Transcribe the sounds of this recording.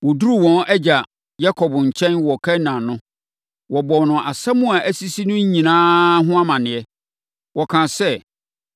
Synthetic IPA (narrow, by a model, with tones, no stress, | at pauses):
wɔ˨du˦ɾu˦wɔ̃˦nɛ˦d͡ʑa˨ | ja˦kʰɔ˨bʊ˨ɲ̩˨t͡ɕʰɛ̃˦nwɔ˨kʰɛ˦nã˨nʊ̃˦ | wɔ˨bɔ˨nʊ̃˨ʔa˨sa˦mʊ̃˦a˨ʔæ˦si˦si˦nʊ̃˦ɲ˦ɲĩ˨nãː˦ɦʊ̃˦a˦mã˨nɪ̃˨ɛ˦ | wɔ˨kʰã˨sɛ˦